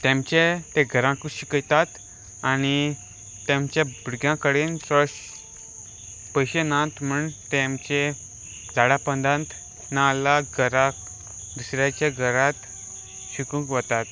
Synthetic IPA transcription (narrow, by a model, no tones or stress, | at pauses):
t̪ɛ̃mt͡ɕet̪ẽɡʱəɾãkuɕikəjt̪at̪ | añi | t̪ẽmt͡ɕẽbuɽɡjãkəɽensəs | pəjɕenãt̪m̤uɳt̪ẽmt͡ɕe | d͡zaɽapənd̪ãnt̪ | nalaɡʱəɾa | d̪usɾat͡ɕaɡʱəɾãt̪ | ɕikũkʋət̪at̪